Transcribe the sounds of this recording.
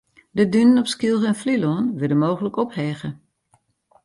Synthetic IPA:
dədynənɔpskilˠɣəɛnflilonʋɪdəmoːɣələkɔphɛːɣə

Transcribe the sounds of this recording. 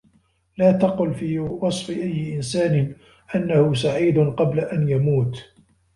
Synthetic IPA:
laːt̪ɑqʊlfiːwɑsˤfɪʔajːɪʔɪnsaːnɪ | ʔanːahʊs̬aʕiːd̪ʊnqɑblaʔanjamuːt̪

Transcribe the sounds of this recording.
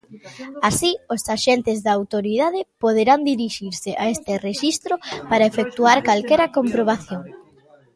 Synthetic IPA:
asiosaʃent̪ɪzðaːwt̪oɾiðaðɪpoðeɾand̪iɾiʃiɾsɪʔaest̪ɪreʃist̪ɾopaɾɐefek̚t̪uaɾkalkɛɾɐkompɾoβ̞aθjoŋ

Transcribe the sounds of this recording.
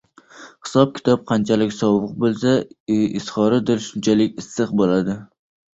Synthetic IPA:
hɪ̥sɒp̚kʲʰɪ̥t̪ʰɒp̚qʰɑnt͡ʃʰalɪkʲsɒbʊq̚bolˠsaɪsχɒɾɪd̪ɪɾʃʊnt͡ʃʰalɪkʲɪsːɨqbolad̪ɪ

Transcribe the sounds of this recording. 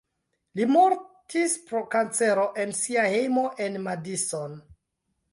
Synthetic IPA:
limoɾtʰispɾo̞kant͡seɾo̞ʔe̞nsiahejmo̞ʔe̞nmadison

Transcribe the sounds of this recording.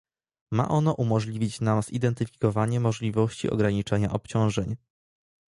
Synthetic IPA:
ma̰ʔɔn̪ɔʔumɔʐlʲivʲit͡ɕnamz̥ḭd̪ɛnt̪ɘfʲi̥kɔvaɲɛmɔʐlʲivɔɕt͡ɕḭʔɔ̰ɡɾaɲit͡ʂɛɲa̰ʔɔpt͡ɕɔ̃w̃ʐɛɲ

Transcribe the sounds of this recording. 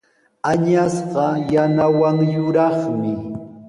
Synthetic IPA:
aɲasɢɑjanawaŋjʊɾɑχmɪ

